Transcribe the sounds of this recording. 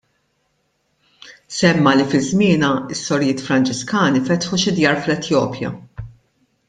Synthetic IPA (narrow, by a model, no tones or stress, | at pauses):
sɛmːɐlifɪzmɪːnɐɪsːɔɾjɪːt̪fɾɐnt͡ʃɪskɐːnifɛt̪ħuʃɪd̪jɐːɾflɛt̪jɔːpʰjɐ̰